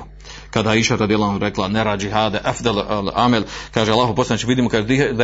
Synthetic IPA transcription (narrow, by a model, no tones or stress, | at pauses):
kad̪aiːʃaɾad̪ijalːaanɾeklˠaneɾaːd͡ʒiɦaːd̪eʔafd̪alla̰melkaːʒealːˠaːɦoposlˠaneːt͡ʃeʋid̪iːmokad̪id̪